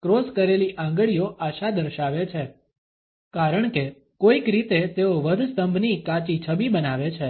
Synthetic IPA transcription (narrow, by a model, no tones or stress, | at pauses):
kɾoskəɾeliʔãŋɡɭijoʔaʃad̪əɾʃaʋet͡ʃʰe | kaɾəɳ̃ke | koikɾit̪et̪eoʋəd̪ʱst̪əmbʱnikat͡ʃit͡ʃʰəbibənaʋet͡ʃʰe